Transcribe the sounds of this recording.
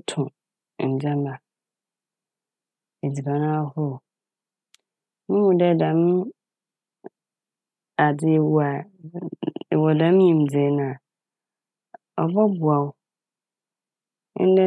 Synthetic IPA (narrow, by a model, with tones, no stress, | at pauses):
tʰʊ̃˨ | d͡ʑã˦mba˨ | e˨d͡zi˨ba˨nã˦hɔ˦˨ | mʊ̃˦mʊ̃˨dɛ˦˨dã˨mʊ̃˦ | a˨dɪ˨wa˨ | wɔ˨dã˨˦m˦ĩ˨m̩˨d͡ze˨˦nã˨ | ɔ˨bɔ˦bʊ˨a˨ʊ˦ | n̩˦dɛ˦